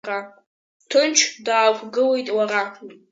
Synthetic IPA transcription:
ra | tʰɨnt͡ʃʰdaːkʷʼɡɨlejtʼwaɾa

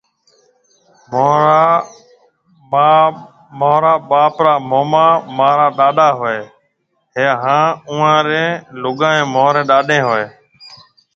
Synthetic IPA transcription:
moːɾa | maː | moːɾaːɓaːpɾaːmoːmãːmãːɾaːɗaːɗaːɦoeː | ɦeːɦãːũːãːɾẽːlʊɡãːẽːmoːɾẽːɗaːɗẽːɦoeː

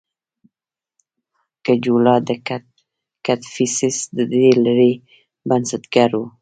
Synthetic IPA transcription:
kad͡ʒulɑd̪əa | kat̪fisɪsd̪əd̪elaɾe | bansɪt̪ɡaɾwu

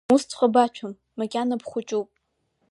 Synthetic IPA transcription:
ust͡sʰχʷabat͡ʃʷʰamːakʲʼanapχʷʊt͡ʃʼuwpʼ

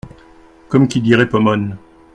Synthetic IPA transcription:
kɔmkʲid̪iʁɛpɔmɔn

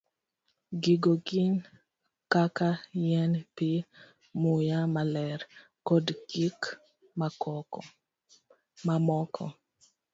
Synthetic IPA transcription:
ɡiɡoɡin | kakajɛnpi | mʊjamalɛɾ | kɔdɡik | makɔ | mamɔkʰɔ̰

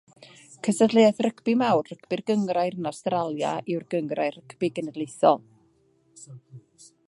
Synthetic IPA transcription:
kʰəsədlˠeɛθrəkʰb̥ɪmawrrəkʰb̥ɪrɡəŋrajrnɔstralˠja̰ʔɪwrɡəŋrajrəkʰb̥ɪɡənɛdlˠejθɔ̰lˠ

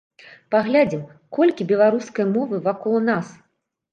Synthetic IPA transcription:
paɣlʲad͡zʲim | kɔlʲkʲibʲɛlˠaɾuskɐjmɔvɨvakɔlˠnas

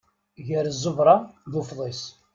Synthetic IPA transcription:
ʝəɾzˤːəvɾˤɑðufðˤis

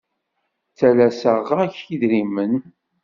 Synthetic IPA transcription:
t͡sːælæsəʁæçiðɾimən

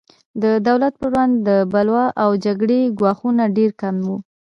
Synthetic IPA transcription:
d̪əd̪awlat̪̚pəɽand̪ːəbalwɑʔawd͡ʒaɡɽeɡwɑxunaɖeɾkamwu

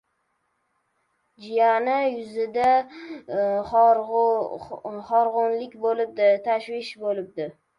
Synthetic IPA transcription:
d͡ʒɪjanɪjʊzɪd̪a | χ | χɒɾʁʊnlɪkʲbolɪp̚d̪ɪt̪ʰaʃwɪʃbolɪb̚d̪ɪ

